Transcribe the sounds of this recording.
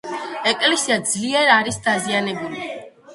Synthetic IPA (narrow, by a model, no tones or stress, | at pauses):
ɛkʼlɛsiad̪zliɛɾaɾisd̪azianɛbuli